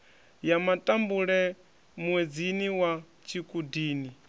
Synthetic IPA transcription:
jamatʼambuɺɛ | mwed͡ziniwa | t͡ʃʰikʼudiːni

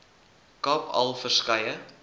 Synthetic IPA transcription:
kɑpʰɐ̰lˠfərskɐjə

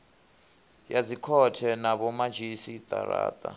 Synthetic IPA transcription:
jad͡zikʰɔtʰɛnaβɔmad͡ʒisit̪ʼa̰ɾa̰ːt̪ʼa̰

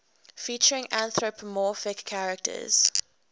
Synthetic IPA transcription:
fiˑt͡ʃəɹɪ̃ŋãnθɹopʰəmɔfɪkʰːaɹək̚tʰə̰z̥

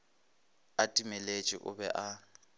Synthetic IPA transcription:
atʼimɛlet͡ʃʼḭʔʊbɛ̰ʔa

